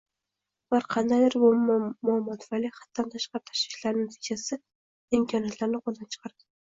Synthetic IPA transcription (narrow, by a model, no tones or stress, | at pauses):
baɾqʰɑnd̪ajd̪ɪɾbʊmʊamːɒt̪ʰfaliχat̪ːant̪ʰaʃqɑɾɪt̪ʰḁʃvɪʃlaɾnɪat̪ʰid͡ʒasɪ | ɪmkʰɒnijat̪laɾnɪqolˠd̪ant͡ʃʰɨ̥qʰɑɾd̪ɪ